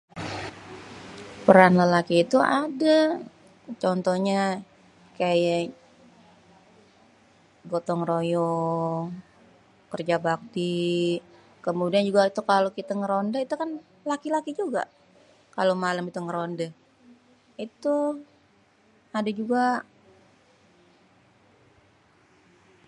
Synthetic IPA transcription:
pəɾanlalakiːt̪uada | t͡ʃɔnt̪ɔhɲa | kaja | ɡot̪ɔŋrojɔŋ | kərd͡ʒabak̚t̪i | kəmudiand͡ʒuɡait̪ukalokit̪aŋəɾondait̪ukan | lakilakid͡ʒuɡa̰ʔ | kalomaləmit̪uŋəɾondə | it̪u | adad͡ʒuɡa

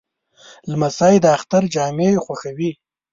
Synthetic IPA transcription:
lmasɑjd̪əaxt̪aɾd͡ʒɑːmexwaxawi

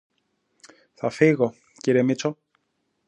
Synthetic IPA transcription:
θɐfiɣo̞ | ciɾemit͡so̞

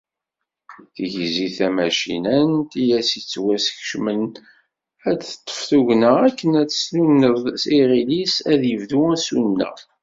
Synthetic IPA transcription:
θʝziθæmæʃḭnænt̪ijæsit͡sːwæsçʃmən | æt̪ˤːə̥fθuʝnəækːənæt͡sːslunːəðˤsiʁilisæðjəvðuæsunːə̰

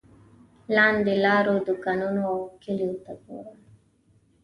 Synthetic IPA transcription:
lɑːnd̪elɑːɾod̪ʊkanunoawkɪlijot̪aɡo̰ɾa

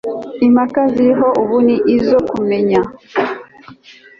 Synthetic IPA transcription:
imakaziɦoʔuβuniʔizokumeɲa

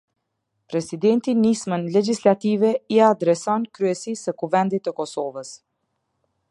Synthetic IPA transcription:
pɾɛsid̪ɛnt̪inismənlɛd͡ʒislat̪ivɛiad̪ɾɛsɔnkɾyɛsisəkuvɛnd̪it̪ːəkɔsɔvəs

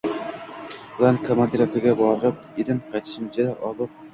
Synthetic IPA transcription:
blankʰomand̪iɾakʰaɡʲabɒɾɾɪp̚ed̪ɪmqʰɑjt̪ʰɪ̥ʃɪmt͡ʃʰad̪aʔɒlɨp̚

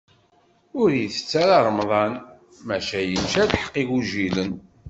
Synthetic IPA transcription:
ʊɾjiθə̥t͡sːæɾɑɾˤmðˤɑn | mæʃæjənʃælħə̥qːiɡuʒilən

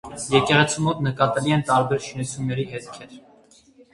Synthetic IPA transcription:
jɛkɛʁɛt͡sʰimɔt̪nəkɑt̪ɛliɛnt̪ɑɾbɛɾʃinut͡sʰjumnɛɾiɦɛt̪kʰɛɾ

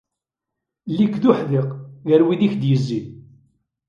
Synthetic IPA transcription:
lːikːðʊħðɪqʝəɾwiðiçd̪jəzːið

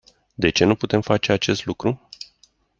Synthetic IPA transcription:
d̪e̞t͡ʃe̞nuput̪e̞mfat͡ʃe̞at͡ʃe̞st̪lukɾu

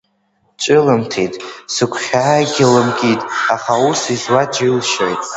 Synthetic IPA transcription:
t͡ʃʼɨlɨmtʰitʼsɨkʷʰχʲaːɡʲɪlɨmkʲʼitʼaχausizwad͡ʒilʃojtʼ

